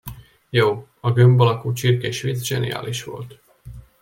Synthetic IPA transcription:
joːɒɡømbɒlɒkuːt͡ʃirkeʃʋid̪sʒɛnḭja̰ːlʔiʃʋo̞̰lt̪

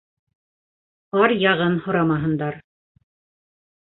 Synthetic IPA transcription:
ɑɾjɑʁɤnhŏɾɑmɑɦɤ̆nd̪ɑɾ

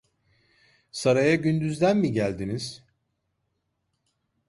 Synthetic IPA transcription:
saɾajaɟynd̪yzd̪ænmiɟælʲd̪iniz̥

